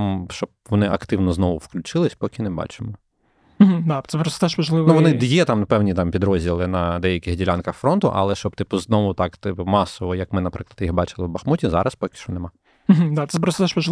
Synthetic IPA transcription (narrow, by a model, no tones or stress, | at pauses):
mʃt͡ʃɔb̚ʋɔnɪʔɐkt̪ɪwnɔznɔʋʊwklʲʊt͡ʃɪlˠɪsʲpɔkʲɪnɛbɑ̰t͡ʃɪmɔ | m̩ɦ̩d̪at̪sɛpɾɔst̪t̪ɛʃmɐʒlˠɪʋnuʋɔnɪd̪jɛt̪ɑmnɐpɛwnʲit̪ɑmpʲid̪ɾɔzʲdʲilˠɪnɐd̪ɛjɐkʲɪxɣdʲilʲankɐxfɾɔnt̪ʊ̰ʔɐ̰lˠɛʃt͡ʃɔb̚t̪ɪpʊznɔʋʊt̪ɑkt̪ɪpʊmɑsɔʋɔjɐkmɪnɐpɾɪklˠɐdt̪jixbɑt͡ʃɪlˠɪwbɐxmutʲizɑ̰ɾʔɐspɔkʲɪ̥ʃt͡ʃɔnɛmɑ | m̩ɦm̩d̪at̪sɛpɾɔst̪ɔt̪ɛʃmɐʒlˠɪ